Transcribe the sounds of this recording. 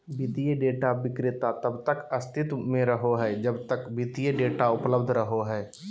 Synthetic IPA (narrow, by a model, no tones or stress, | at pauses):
bit̪ijeɖeːʈabɪkɾɪt̪at̪əbt̪əkəst̪ʰɪt̪mẽɾəɦoɦɛːd͡ʒəbt̪əkbit̪ijeɖeːʈaʊpləbd̪ʱɾəɦoɦɛː